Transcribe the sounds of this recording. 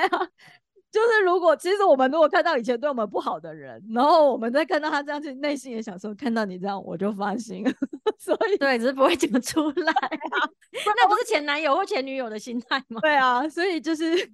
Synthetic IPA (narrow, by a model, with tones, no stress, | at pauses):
t͡ɕjo˥˧ʊʂɻ̩˥˩ɻu˧˥kwɔ˨˩t͡ɕʰi˧˥ʂɻ̩˧˥wɔ˨˩mə˦nɻu˧˥kwɔ˨˩kʰa˥˧nt̪ɑ˥˩ʊi˨˩ɛ˧˥t̪wɪwɔ˨˩mə˦˥pu˥˩xɑ˨˩ʊd̪ə˦ɻə˧˥nna˧˥xo˥˩ʊwɔ˨˩mə˦t͡ɕt͡sa˥˧kʰa˥˧t̪ɑ˥˩ʊt̪ʰa˥ʈ͡ʂɤ˥˧jɑ˥˧t͡ɕʰy˥˧ne˥˧ɪɕi˥˩ŋjɛ˧˥ɕjɑ˨˩ŋskʰnt̪ɑ˥˩ʊni˨˩ʈ͡ʂɤ˥˧jɑ˥˩ŋwɔ̰˨˩t͡ɕjo˥˩ʊfa˥ɕi˥ŋswɔ˧˥i˨˩t̪we˥˩ɪ˨˩˥p̬u˧˥we˥˩ɪt͡sə˨˩mə˦ʈ͡ʂʰu˥la˨˩˦ɪ˥˧ | na˥˩pu˧˥ʂɻ̩˥˩t͡ɕʰjɛ˧˥na˧˥njo˨˩ʊxwt͡ɕʰjɛ˧˥ny˧˥jo˨˩ʊd̪ə˦ɕi˥nt̪ʰa˥˧ɪma˨˩t̪we˥˩ɪɐ˩swɔ˧˥i˨˩t͡ɕjo˥˧ʊʂɻ̩˥˩